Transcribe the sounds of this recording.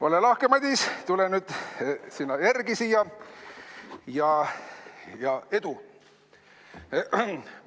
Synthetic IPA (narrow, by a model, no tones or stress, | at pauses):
o̞lelɑhkemɑd̪ʲist̪ulenyd̪̥sinːɑjærɡisijɑ | jɑ | jɑe̞d̪̥u